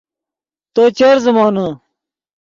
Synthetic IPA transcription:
t̪oːt͡ɕɐɾzɐmɑːnɐ

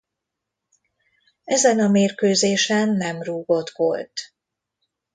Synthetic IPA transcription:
ɛzɛnɒmeːrkøːzeːʃɛnːɛmruːɡo̞t̪ko̰lt̪

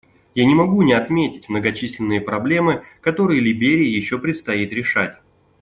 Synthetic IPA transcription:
janʲɪmɐɡunʲɪɐt̪mʲetʲɪtʲmnəɡɐt͡ɕisʲlʲɪnːɨjəpɾɐblʲe̞mɨkɐt̪o̞ɾɨjəlʲɪbʲeɾʲɪjəjɪɕːo̞pɾʲɪt̪st̪ɐit̪ɾʲɪʂatʲ

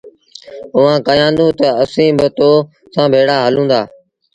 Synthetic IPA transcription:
ʊʋãːkəjãːnd̪ũːt̪əəsĩːbɪt̪oː | sãːbʱeːɽaːɦəlũːnd̪aː

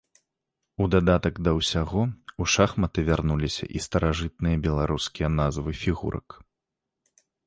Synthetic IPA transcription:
ud̪ad̪at̪ɐɡd̪ɐwsʲaɣɔuʂaxmɐt̪ɨvʲarnulʲisʲɐ̰ʔist̪ɐɾaʐɨt̪̚nɨjɐbʲɛlˠaɾuskʲijɐnazvɨfʲiɣṵɾɐ̰k

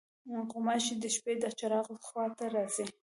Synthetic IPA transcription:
qʊmaʃid̪əʃped̪ət͡ʃaɾɑɣləxwɑt̪aɾɑzi

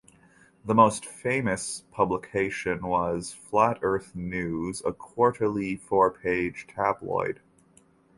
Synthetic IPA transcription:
ðəmoʊstfẽɪ̃mɨspʰʌbləkʰeɪʃɨ̃nwʌz̥flæɾɜ˞θnʉzə̰kʰw̥ɔɹɾə˞l̩ˠifɔɹpʰeɪd̥ʒ̥tʰæblɔ̰ɪd̥

